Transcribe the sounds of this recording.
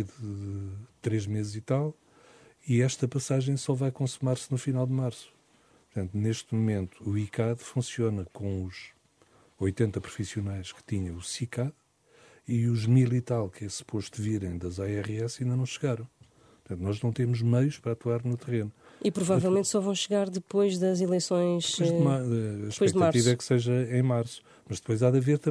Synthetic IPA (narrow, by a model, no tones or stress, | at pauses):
ðɨ | t̪ɾeʒmezzit̪alˠ | iɛʃt̪ɐpɐsaʒɐ̃j̃sɔvajɐkõsumaɾsnufinalˠd̪maɾsu̥ | pɾt̪ɐ̃nt̪uneʃt̪mumẽnt̪u̥ːikaðfũsionɐkõuʃ | ojt̪ẽnt̪ɐpɾu̥fisiunajʃkɨ̥t̪iɲɐ̃w̃usikað | iuʒmilˠit̪alˠkɛsu̥poʃt̪uviɾɐ̃j̃d̪ɐzaɛʁɛsɐĩnd̪ɐnɐ̃w̃ʃɨɣaɾɐ̃w̃ | pɾt̪ɐ̃nt̪unɔʒnɐ̃w̃t̪emuʒmɐjuʃpɐɾat̪waɾnut̪ɨʁenu | ipɾuvavɛlˠmẽnt̪sɔvɐ̃w̃ʃɨɣaɾðɨpojʒðɐzilˠejsõj̃ʃpoʒmaɐʃpojɛʒk̪ɐaɾt̪ivɐɛkseʒɐẽj̃maɾsu̥ | mɐʒd̪ɨpojzaðɐveɾt̪ɐ